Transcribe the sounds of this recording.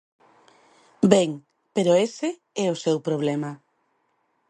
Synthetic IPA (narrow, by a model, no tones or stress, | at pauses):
bɛŋ | peɾoese | ɛʊsewpɾoβ̞lɛma